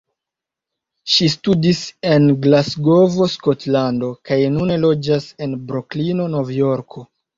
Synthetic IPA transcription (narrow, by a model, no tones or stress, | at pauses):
ʃistudise̞nɡlasɡo̞vo̞sko̞tlando̞kajnune̞lo̞d͡ʒase̞nbɾoklino̞no̞vjo̞ɾkʰo̞